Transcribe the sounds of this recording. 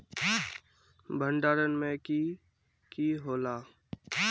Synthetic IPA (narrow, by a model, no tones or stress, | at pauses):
bʱə̃ɳɖaːɾənmẽki | kiɦoːlaː